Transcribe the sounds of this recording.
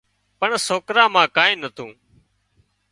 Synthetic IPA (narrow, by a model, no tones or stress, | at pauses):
pəɳsoːkɾãːmãːkaːĩːnət̪ʰũː